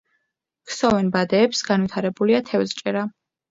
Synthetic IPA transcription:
kʰsɔvɛnbad̪ɛːpsɡanvit̪ʰaɾɛbuliat̪ʰɛvzt͡ʃʼɛɾa

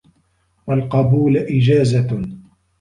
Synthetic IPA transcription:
walqɑbuːlʔɪd͡ʒaːza

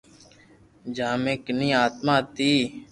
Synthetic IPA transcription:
d͡ʒaːmẽːknĩːaːt̪mãːt̪iː

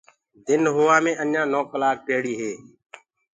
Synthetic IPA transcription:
d̪ɪnɦʊːʋaːmẽːʔənjãːnoːklaːk̚peːɽiːɦeː

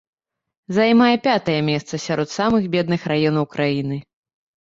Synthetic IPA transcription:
zajmajɛpʲat̪ɐjɛmʲɛst̪sɐsʲaɾʔɔt̪samɨxbʲɛd̪nɨxrajɔnɐwkɾʔajinɨ

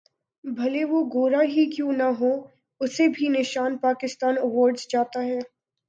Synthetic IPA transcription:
bʱɐleʋoɡoːɾaɦikjũːnɐɦo | ʊsebʱinɪʃaːnpaːkɪst̪aːnəʋɔːɾɖzd͡ʒaːt̪aɦɛː

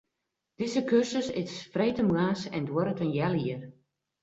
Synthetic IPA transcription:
d̥ɪzəkøsəsɪsfreːtəmɣaːsɛndwɔɾətənjɛliər

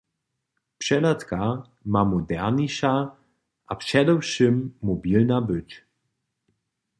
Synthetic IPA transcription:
pʂɛlat̪ka | mamɔd̪ɛɾnʲiʃa | ʔapʂɛd̪ɛwʂɘmːɔbʲilnabɘt͡ɕ

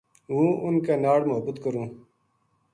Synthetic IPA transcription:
ɦũːʊnkeːnaːɽmʊɦəbət̪kəɾũː

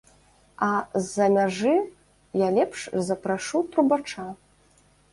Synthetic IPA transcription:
ɐzːɐmʲaʐɨ | jalʲɛpʂzɐpɾaʂut̪ɾubat͡ʂa

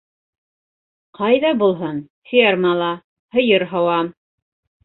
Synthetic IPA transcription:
qɑjðɑbulˠɦɤn | fiɑɾmɑlˠɑ | hɤ̆jɤɾɦɑwɑm

